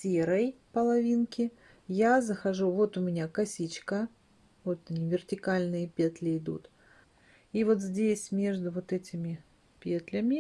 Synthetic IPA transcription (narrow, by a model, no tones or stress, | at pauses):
sʲeɾəjpəlˠɐvʲinkʲɪ | jazəxɐʐuvo̞t̪ʊmʲɪnʲakɐsʲit͡ɕkə | vo̞t̪nʲɪvʲɪrtʲɪkalʲnɨjəpʲet̪lʲɪɪd̪ṵt̪ | ivo̞t̪zʲdʲesʲmʲe̞ʐd̪ʊvo̞t̪ɛtʲɪmʲɪ | pʲet̪lʲəmʲɪ